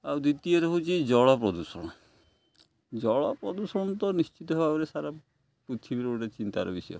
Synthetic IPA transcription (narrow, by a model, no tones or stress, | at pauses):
awd̪it̪iɔɾɔɦot͡ʃʰid͡ʒɔɭɔpɾɔd̪usɔɽ̃ɔ | d͡ʒɔɭɔpɾɔd̪usɔɽ̃ɔt̪ɔnist͡ʃit̪ɔɦebapɔɾesaɾa | pɾut̪ʰibiɾeoʈat͡ʃint̪a̰ɾɔ̰bisɔjɔ̰